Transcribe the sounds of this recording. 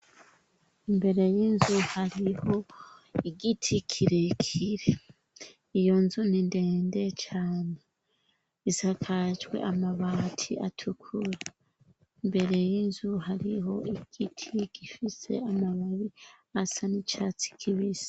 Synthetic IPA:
imbe̞ɾe̞jiːnzuhaɾiho̞iɡitʰikʰiɾekʰiɾe | ijo̞nzuninde̞ːnde̞t͡ʃaːne | iz̥akʰad͡ʒɡwe̞̰ʔamaβaːtʰḭatʰukʰuɾa | imbe̞ɾe̞jiːnzuɦaɾiɦo̞ʔiɡ̥itʰiɡ̥ifise̞̰amaβaβi | asanit͡ʃat͡si̥kʰiβiz̥ḁ

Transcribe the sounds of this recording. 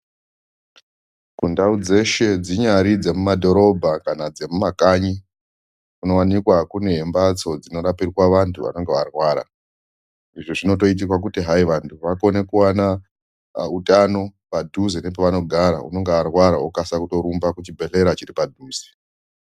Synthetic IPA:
kundaud͡ze̞ʃe̞d͡ziɲaɾid͡ze̞mumadʱo̞ɾo̞bʱakanad͡ze̞mumakaɲi | kuno̞wanikwakune̞ɦembat͡so̞d͡zino̞ɾapirwaʋantʰuʋa̰no̞ŋɡeʋarwaːɾa̰ | iʐiʐino̞to̞it̬ikwak̬utiɦaiʋantʰuʋako̞ne̞kuwana | utano̞padʱuzinepeʋano̞ɡʱaɾa̰ṵno̞ŋɡearwaɾaukasakuto̞ɾumbakut͡ʃibʱe̞ɬe̞ɾat͡ʃiɾipadʱuːzi̥

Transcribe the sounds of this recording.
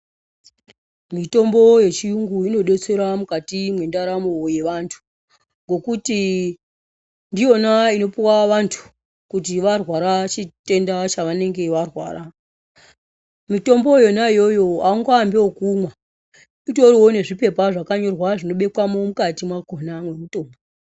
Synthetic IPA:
mito̞mbo̞je̞t͡ʃijuŋɡuino̞ɗe̞t͡se̞ɾamukatimwe̞ndaɾamoje̞ʋantʰu̥ | ŋɡo̞kuti | ndijo̞naino̞piwaʋantʰu̥ | kut̬iʋarwaɾat͡ʃite̞ndat͡ʃaʋane̞ŋɡe̞ʋarwa̰ːɾa | mito̞mbo̞jo̞naijo̞jo̞aŋɡoambewokumwa | ito̞riwo̞ne̞ʐipe̞paʐakaɲo̞rwaʐino̞ɓe̞kwamo̞mukatimwakonamwe̞muto̞ːmbo

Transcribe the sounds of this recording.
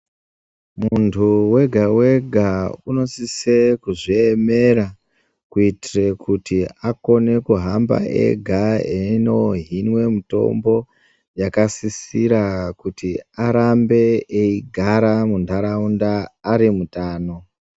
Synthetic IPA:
muntʰuwe̞ɡʱawe̞ɡʱauno̞sisekuʐieme̞ɾa | kuitirekutiako̞ne̞kuɦamba̰ḛɡʱaeno̞ɦinwe̞muto̞̰mbo̞ | jakasisiɾakutiaɾambe̞ːiɡʱaɾamundʱaɾaundaːɾimutaːno̞

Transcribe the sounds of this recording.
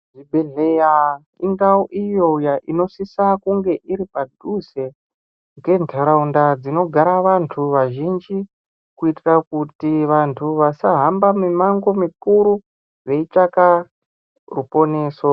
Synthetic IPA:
ʐibʱeɮeja | iŋɡaoʔijo̞ujaʔino̞sisakuŋɡe̞ʔiɾipadʱuze̞ | ŋɡe̞ntʰaɾaundad͡zino̞ɡʱaɾaʋantʰuʋaʒind͡ʒi | kuitirakutiʋantʰuʋasaɦambamemaŋɡo̞mikuɾu | ʋe̞it͡ʂaka | rupo̞ne̞ːso

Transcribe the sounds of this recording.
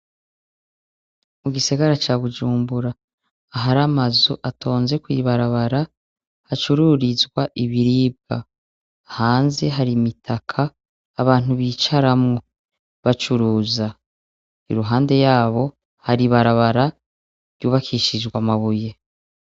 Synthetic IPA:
muɡiseɡaɾat͡ʃaːβud͡ʒuːmbuɾaː | ɦaɾamazoʔatʰo̞ːnze̞kwiβaɾaβaɾa | hat͡ʃuɾuɾizɡwaʔiβiɾiːb̚ɡa̰ː | haːnze̞ɦaɾimitʰakʰaː | βaːn̥uβiːt͡ʃaɾamŋo | βat͡ʃuɾuːza | ḭɾuɦaːnde̞jaːβo̞ | haɾiβaɾaβaɾḁ | jɟuːβakʰiʃid͡ʒɡwamaβuje̞

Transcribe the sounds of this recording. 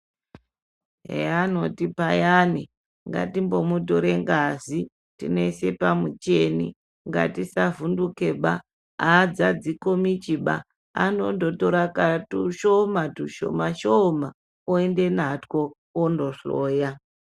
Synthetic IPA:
ɦḛano̞tipajani | ŋɡa̰timbo̞mutoɾeŋɡazi | tḭne̞ise̞pamut͡ʃe̞nḭ | ŋɡa̰tisavunduke̞ɓa | aːd͡zad͡zikomit͡ʃiɓa̰ | anondotoɾakatuʃomatuʃo̰maʃoma | oende̞natko̞ | ondoʂoːja

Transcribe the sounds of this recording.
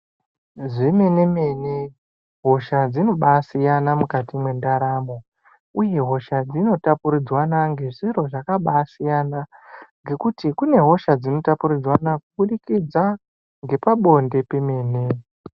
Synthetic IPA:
ʐeme̞ne̞me̞ne | ɦo̞ʃad͡zino̞ɓasijanamukatimwe̞ndaɾamo̞ | uje̞ɦo̞ʃad͡zino̞tapuɾid͡zwanaŋɡe̞ʐiro̞ʐakaɓasijanaŋɡe̞kutikune̞ɦo̞ʃad͡zino̞tapuɾid͡zwanakuɓuɗikid͡za | ŋɡe̞paɓo̞nde̞peme̞ːne̞

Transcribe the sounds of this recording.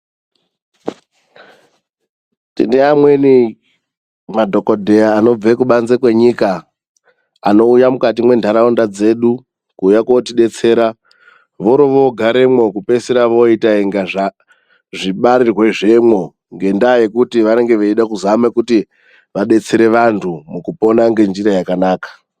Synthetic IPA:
ntḭneamwe̞ni | madʱo̞kodʱe̞aːno̞b͡vekuɓanzekwe̞ɲika | no̞ujamukat̬imwe̞ndʱaɾaondad͡ze̞ːɗu | kuːjakotiɗe̞t͡se̞ːɾa | ʋo̞ɾoʋo̞ɡʱaɾe̞mwo̞kupe̞siɾaʋo̞itaiŋɡaʐa | ʐiɓaɾirwe̞ʐe̞mwo̞ | ŋɡe̞ndaːje̞kutiʋaɾe̞ŋɡe̞ʋeiɗakuzamekuti | ʋaɗe̞t͡seɾe̞ʋantʰumukupo̞naŋɡe̞nd͡ʒiɾajakanaːkḁ

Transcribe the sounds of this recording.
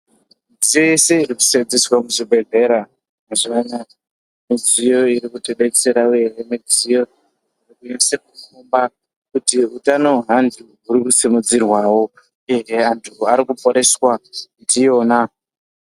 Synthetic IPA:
id͡zijojeseiriku̥sed͡ziswamuʐibʱe̞ɮe̞ɾa | maziana | mid͡zijo̞iɾikuteɗet͡seɾaeremid͡zijo̞ | irikuɲesekukumba | kutiutano̞ɦandʱuɦuɾikusimud͡zirwawo̞ | ereantʰuaɾikupo̞ɾe̞swaitijo̞ːna

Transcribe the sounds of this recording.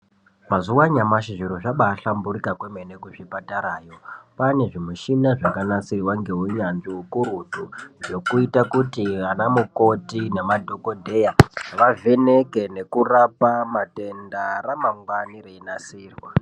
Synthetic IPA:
mazuwaɲamaʃiʐiɾoʐaɓaːɬambuɾikakweme̞ne̞kuʐipataɾaːjo̞pane̞ʐimuʃinaʐakanasirwaŋɡe̞ɦuɲanʐiukuɾudʱuʐo̞kuitakutianamuko̞tine̞madʱo̞ko̞dʱe̞jaʋavʱe̞ne̞ke̞ne̞kurapamate̞ndaramaŋɡwanireinasiːrwa

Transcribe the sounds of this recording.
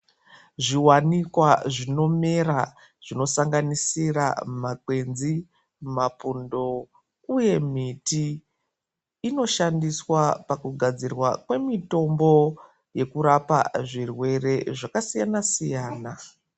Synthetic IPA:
ʐiwanikwaʐino̞mera | ʐ̥ino̞saŋɡanisira̰makwe̞nzi | mapundo̞ | uje̞miti | no̞ʃandiswapakuɡʱad͡zirwakwe̞mito̞mbo̞ | je̞kuɾapa̰ʐirwe̞re̞ʐakasijanasijaːna

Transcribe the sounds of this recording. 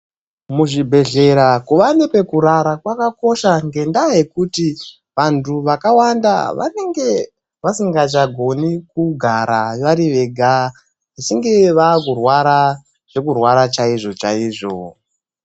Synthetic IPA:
muʐibʱe̞ɮe̞ɾakuʋanepe̞kuɾaɾakwakako̞ʃaŋɡe̞ndaje̞kuti | ʋantuʋakawanda̰ʋa̰ne̞ŋɡe̞ | ʋasiŋɡat͡ʃaɡʱo̞nikuɡʱaɾaʋaɾiʋe̞ɡʱa | isiŋɡe̞ʋaːkurwaɾa | ʐ̥e̞kurwaɾat͡ʃaiʐo̞t͡ʃaiːʐo̞̰

